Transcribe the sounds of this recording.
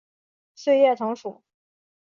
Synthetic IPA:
ɕe˥˧ɪjɛ˥˩ʈ͡ʂʰɤ˧˥ŋʂu˨˩˦

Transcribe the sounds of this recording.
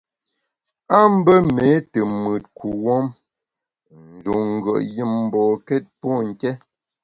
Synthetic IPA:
a˦m̩˦bə˦me˨˦tə˨mɨ˨t̚ku˨wɔ˦m | n̩˨d͡ʒu˨ŋ̩˨ɡə̰˨ʔji˦˨mm̩˨bɔ˨kɛ˦t̚pɔ˦˨ŋ̩˨kɛ˦

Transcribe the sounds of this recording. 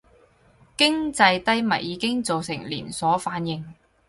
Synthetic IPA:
kɪ˥ŋt͡sɐ˧jt̪ɐ˥jmɐ̰˨˩j̚jiː˨˧kɪ˥ŋt͡so˨wsɪ̰˨˩ŋlḭː˨˩nsɔː˨˥faː˨˥njɪ˧ŋ

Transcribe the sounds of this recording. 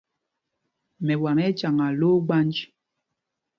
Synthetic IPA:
mɛ˨wa˨ŋɛ˦t͡ʃa˨ŋa˨lo˦ɡ͡ba˦nd͡ʒ

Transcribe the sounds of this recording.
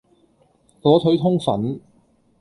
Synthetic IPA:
lɔː˨˥t̪ʰɵ˨˥ɥt̪ʰʊ˥ŋfɐ̰˨˥n

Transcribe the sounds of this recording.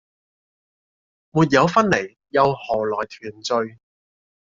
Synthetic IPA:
muː˨˩t̚jɐ˨˧wfɐ˥nle˨˩j | jɐ˨˧whɔː˨˩lɔː˨˩jt̪ʰyː˨˩nt͡sɵ˧ɥ

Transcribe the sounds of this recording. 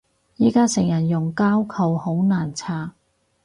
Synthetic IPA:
jiː˨˥kaː˥sɪ˨˩ŋjɐ˨˩njʊ˨˩ŋkaː˥wkʰɐ˨who˨˥wnaː˨˩nt͡sʰaː˧˩

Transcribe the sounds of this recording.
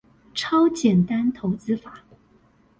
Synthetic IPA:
ʈ͡ʂʰɑ˥ʊt͡ɕjɛ˨˩nt̪a˥nt̪ʰo˧˥ʊt͡sɹ̩˥fa˨˩˦

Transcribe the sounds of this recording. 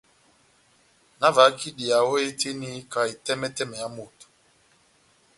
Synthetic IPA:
na˦va˨˦ki˦ɗi˨a˨wɔ˦e˦te˦ni˦ka˨i˨tɛ˦mɛ˦tɛ˦mɛ˨ja˦mo˨tu̥˨

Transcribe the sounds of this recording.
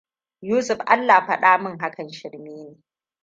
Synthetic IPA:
juː˦sʊ˨ɸʔa̰˦lːaː˨ɸɐ˦ɗaː˦mɪ˦ŋɦa˦kʰɐ˨nʃɪ˨ɽmeː˦neː˨

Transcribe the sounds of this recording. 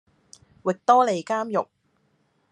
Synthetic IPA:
wɪ˨k̚t̪ɔː˥le˨˧jkaː˥mjʊ˨k̚

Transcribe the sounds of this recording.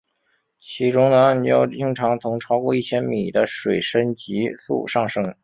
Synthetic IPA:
t͡ɕʰi˧˥ʈ͡ʂʊ˥ŋnə˨˧˥jo̰˥˩ʊt͡ɕi˥ŋʈ͡ʂʰɑ˧˥ŋt̪ʰʊ˧˥ŋʈ͡ʂʰɑ˥ʊkwɔ˥˧i˥˩t͡ɕʰjɛ˥nmi˨˩d̪ə˦ʂwe˨˩ɪʂə˥nt͡ɕi˧˥sṵ˥˧ʂɑ˥˩ŋʂɤ˥ŋ

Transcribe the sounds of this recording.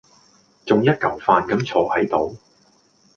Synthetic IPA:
t͡sʊ˨ŋjɐ˥t̚kɐ˨˩wfaː˨nkɐ˨˥mt͡sʰɔː˨˧hɐ˨˥jt̪o˨˧w

